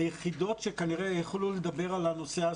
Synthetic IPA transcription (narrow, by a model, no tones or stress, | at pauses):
jeχid̪o̞t̪ʃekaniʁejeχluled̪abe̞ʁalano̞sea